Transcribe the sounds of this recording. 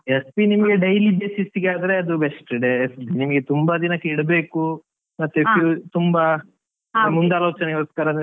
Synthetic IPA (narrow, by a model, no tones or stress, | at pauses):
espinimɐɡe̞ɖɐjlibeːsisiɡeaːd̪ɐɾe̞ɐd̪ubesʈiɖeːspinimɐɡet̪umbɐd̪inɐkːiɽɐbe̞ːku | mɐt̪ːepjuːt̪umbɐ | mund̪aːloːt͡ʃɐnɛɡɐluskaːɾɐ